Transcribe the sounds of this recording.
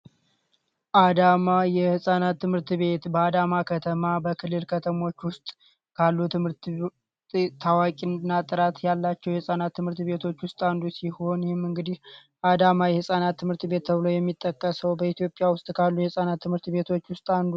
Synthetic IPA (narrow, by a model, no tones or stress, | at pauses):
ʔad̪amajɛhɨsʼanat̪ʰːɨmhɨɾt̪ʰɨβe̞t̪bəad̪amakʰət̪ʰəmabəkʰɨlːɨlkʰət̪ʰəmo̞t͡ʃːwʊst̪ʼ | kʰalːut̪ʰɨmɨɾt̪ | t̪ʰawakʼinnːat̪ʼɨɾat̪jalːat͡ʃːɛwjɛhɨsʼanat̪ʰːɨmhɨɾt̪βe̞t̪ʰo̞t͡ʃːwʊst̪ʼand̪usiho̞njɛhɪmɨŋɡɨd̪ih | ʔad̪amajɛhɨsʼanat̪ʰːɨmhɨɾt̪be̞t̪̚ːʰəβɨlo̞jɛmːit̪ʼːəkʼːəsəwbəit̪ʰijo̞pʼɪjawʊst̪ʼkʰalːujɛhɨsʼanat̪ʰːɨmhɨɾt̪βe̞t̪ʰo̞t͡ʃːwʊst̪ʼand̪u